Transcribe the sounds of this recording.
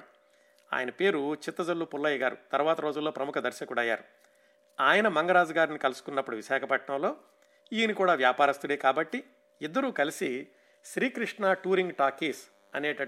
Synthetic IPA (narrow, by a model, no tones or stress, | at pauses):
a̰ːjɐnɐpe̞ːɾut͡ʃit̪ːɐd͡ʒɐlːupulːɐjiɡaːɾṵt̪ɐɾʋaːt̪ɐɾo̞ːd͡ʒulːoːpɾɐmukʰɐd̪ɐɾʃɐkuɽɐjːa̰ːɾu | aːjɐnɐmɐŋɡɐɾaːd͡ʒɐɡaːɾnikɐlusu̥kunːɐpːuɽuʋiʃaːkʰɐpɐʈɳɐ̃mlo̞ː | iːnikuːɽaːʋjaːpaːɾist̪uɽeːkaːbɐʈːi | id̪ːɐɾuːkɐlisi | ʃɾiːkɾiʂɳaːʈuːɾiŋɡʈaːkiːs | ɐ̰ne̞ːʈɐ